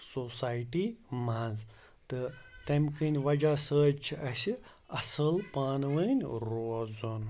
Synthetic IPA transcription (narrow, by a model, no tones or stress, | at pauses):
sosaːjʈimanz | t̪ɨt̪ɐmʲkɨnʲʋɐd͡ʒasəːt͡ʃʰiɐsi | ɐsɨlpaːnʋənʲɾoːzun